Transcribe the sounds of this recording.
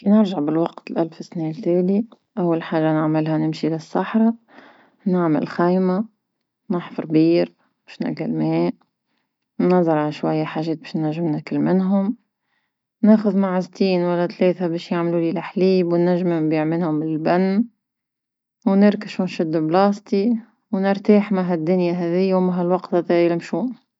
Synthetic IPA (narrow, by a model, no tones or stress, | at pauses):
finɪɾʒaʕbɪlwɑqt̪lʔalfɪsneːlt̪eːli | ʔawːalħaːʒanɪʕmɪlɦanɪmʃilɪsːɑħɾˤɑ | nɪʕmɪ̰lxajma | nɪħfɑɾˤbiːɾ | beːʃnɪ̰ɡalmeːʔ | nːɑzˤɑɾˤʕalaʃwajːaħaːʒɛːt̪̚beːʃnːaʒːɪmnakɪlmɪnɦʊm | neːxʊðmaʕast̪iːnwalːat̪leːθabɛːʃjaʕmlulilaħliːbwnːaʒːmnbiːʕmɪnhʊmɪllbanː | wnɪɾkaʃunʃɪd̪ːblɑːst̪i | wnɪɾt̪aːħmaɦad̪ːʊnjaɦɛːðɪjːawmaɦalwɑqt̪at̪ajɪlɪmʃuːn